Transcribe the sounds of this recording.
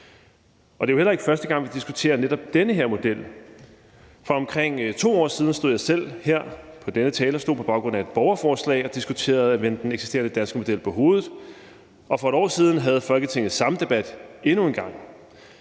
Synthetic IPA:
ʔɒ̽d̥e̝ahel̰ɐe̝ɡ̥fɶɐsd̥əɡ̥ɑ̈ŋ̰ʋid̥isɡ̥u̥t͡sʰe̝̰ːɐned̥ɒ̽b̥̚d̥enəɦeɐ̰mo̝d̥el̰ | fɒ̽ɒ̽mkʰʁeŋ̰t͡sʰo̝̰ːɒ̰ːsiːð̞ˠn̩sd̥o̝ð̰ˠjɑ̈ɪsel̰heɐ̰pʰɒ̽d̥enət͡sʰɛːlɐsd̥o̝ð̰ˠpʰɒ̽bɑ̈ʊɡ̥ʁɔ̽n̰æe̝d̥̚b̥ɒʊɐfɒːslɛ̰ɪɒ̽d̥isɡ̥ut͡sʰe̝̰ːɐð̩ˠæʋen̰d̥d̥eneɡ̥si̥sd̥e̝ːɐnəd̥ænsɡ̥əmo̝d̥el̰pʰɒ̽ɦo̝ːð̞ˠð̩ˠ | ɒ̽fɒ̽eɾ̥ɒ̰ːsiːð̞ˠn̩ɦæð̞̩ˠfɒlɡ̥ət͡sʰe̝ŋ̰ð̩ˠsɑ̈məd̥e̝b̥æd̥e̝nue̝nɡ̥ɑ̈ŋ̰

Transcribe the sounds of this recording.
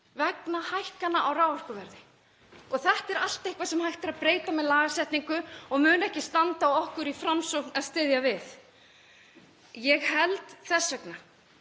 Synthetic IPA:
vɛknahajhkanːaʔawraːwar̥kʏvɛɾðɪ | ɔθɛht̪ɛɾal̥t̪ehkvasɛmhajht̪aɾaðpɾeːjt̪amɛðlaːɣasɛht̪niŋkʏɔɣmʏːnɛhcɪst̪ant̪awɔhkʏɾifɾamsɔknaðst̪ɪːðjavɪθ | jɛɣhɛlt̪θɛsːɛkna

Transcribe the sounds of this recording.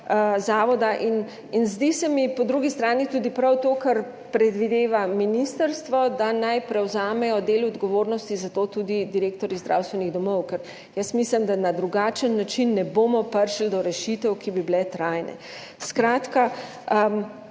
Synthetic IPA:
zaːʋɔd̪aʔin | inzd̪isɛmipɔd̪ɾuɡist̪ɾaːnit̪ud̪ipɾawt̪oːkɐɾ | pɾɛd̪ʋid̪eːʋaminist̪əɾst̪ʋɔd̪anajpɾɛwzaːmɛjɔd̪eːlɔd̪ɡɔʋoːɾnɔst̪izat̪oːt̪ud̪id̪iɾeːk̚t̪ɔɾjizd̪ɾa̰ːwst̪ʋɛniɣd̪ɔmɔwkɛɾ | jəsmislimd̪anad̪ɾuɡaːt͡ʃənːat͡ʃinːɛboːmɔpəɾʃld̪ɔɾɛʃit̪ɛwkibiblɛt̪ɾajnɛ̰ | skɾaːt̪ka

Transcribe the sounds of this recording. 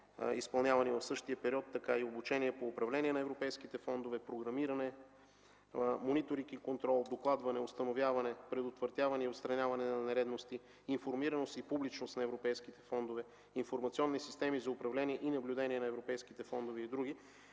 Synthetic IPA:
ispɐlˠnʲavɐnivɐfsɤʃt̪iəpɛɾiɔt̪ːɐkaiobut͡ʃɛniɛpoːpɾɐvlɛniɛnɐɛvɾopɛjsk̟it̪ɛfɔnd̪ovɛpɾoɡɾɐmiɾɐnɛ | monit̪oɾikikont̪ɾɔlˠd̪oklˠad̪vɐnɛost̪ɐnovʲjavɐnɛpɾɛd̪ot̪vəɾt̪ʲjavɐnɛiot̪st̪ɾɐnʲjavɐnɛnɐnɛɾɛd̪nost̪iː | nfoɾmiɾɐnost̪ipublit͡ʃnost̪nɐɛvɾopɛjsk̟it̪ɛ̥fɔnd̪ovɛ | infoɾmɐt̪siɔnːisist̪ɛmizɐʊpɾɐvlɛniɛʔinɐblʲud̪ɛniɛnɐɛvɾopɛjsk̟it̪ɛfɔnd̪oviːd̪ɾuɡ̟i

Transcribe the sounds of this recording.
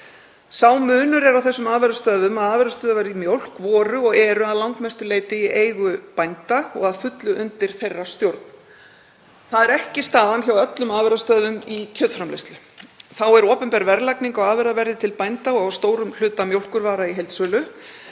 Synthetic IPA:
saːwmʏːnʏɾɛɾawθɛsːʏmaːðvɛɾðast̪œːðʏmaðaːðvɛɾðast̪œːðavɛɾimjowl̥kvɔːɾʏɔɣɛɾʏaðlawŋkmɛst̪ʏleːjt̪ɪiʔejɣʏpajnt̪aɔ̰ɣaðfʏt̪lʏʔʏnt̪ɪɾ̥θejrːast̪jowɾt̪n | θaðɛɾɛhcɪst̪aːðançawœt̪lʏmaːðvɛɾðast̪œːðʏmicʰœːðfɾamlejst̪lʏ | θawɛɾɔːpʏmpɛɾvɛɾlajkniŋkɔɣaːðvɛɾðavɛɾðɪt̪ʰɪlpajnt̪aɔɣawst̪oːwɾʏml̥ʏːt̪amjowl̥kʏɾvaːɾaiɦejlt̪sœːlʏ

